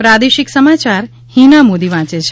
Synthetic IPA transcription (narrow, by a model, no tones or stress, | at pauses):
pɾad̪eʃiksəmat͡ʃaɾ | hinamod̪iʋãt͡ʃet͡ʃʰ